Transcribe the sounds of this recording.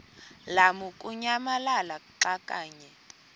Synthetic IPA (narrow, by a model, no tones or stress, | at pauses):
lamukʼuɲamalalaǃakʼaːɲɛ